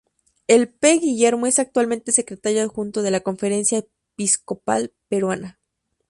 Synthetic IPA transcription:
e̞lpeɣiʝe̞ɾmoe̞sak̚t̪walmẽnt̪e̞se̞kɾe̞t̪aɾjoðxunt̪oðe̞lako̞ɱfe̞ɾe̞nsjae | pisko̞pa̰lpe̞ɾwana

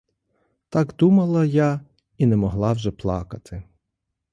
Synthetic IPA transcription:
t̪ɑɡd̪umɐlˠɐja | inɛmɔɦlˠɑwʒɛplˠɑ̰kɐt̪ʰɪ

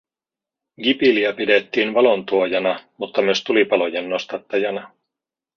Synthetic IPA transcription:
ɡipiliæpidet̪ːiːnʋɑlo̞nt̪uojɑnɑmut̪ːɑmyøst̪ulipɑlo̞jenːo̞st̪ɑt̪ːɑjɑnɑ

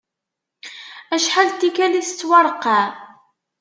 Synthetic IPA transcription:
æʃħalt̪ːikælist͡sːwɑɾˤqːɑ

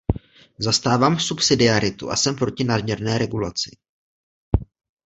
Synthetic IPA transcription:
zast̪aːvaːmsupsɪdɪaɾɪt̪ṵʔa̰sɛmpɾo̞cɪnadmɲɛɾnɛːɾɛɡulat͡sɪ̥

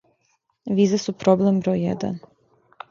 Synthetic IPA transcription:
ʋiːzesupɾoblembɾojjɛ̰d̪a̰n

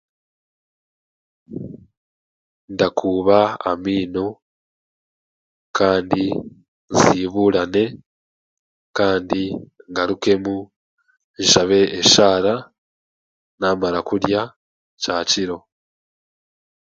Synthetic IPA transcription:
ndakʰuːβaa̰miːno | kaːndi | nziβuɾane̞ | kaːndiŋɡaɾuke̞mu | iʃaβe̞ːʃaːɾa | naːmaɾakuɾja | caciɾo̞

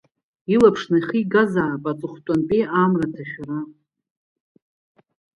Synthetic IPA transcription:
ilapʰʂnajχiɡazaːpʼat͡sʼɨχʷtʷʼanpʼiʔamratʰaχʲᶣrɨ

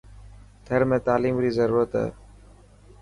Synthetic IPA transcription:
t̪ʰəɾmẽːt̪aːliːmɾiːzəɾuːɾət̪ɦɛ̰ː

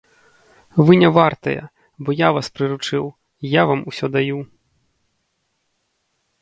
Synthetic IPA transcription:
vɨnʲɛvart̪ɐjɐ̰ | bɔjavaspɾɨɾut͡ʂɨw | javamusʲɔd̪aju

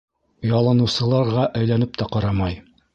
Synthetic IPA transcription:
jɑlˠɤ̆nɤ̆wsɤ̆lˠɑɾʁɑʔæjlænɘp̚t̪æqɑɾɑmɑj

